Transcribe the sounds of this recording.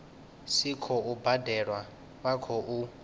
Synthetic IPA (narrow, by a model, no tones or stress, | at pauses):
sikʰɔubadɛɺwa | wakʰɔʔu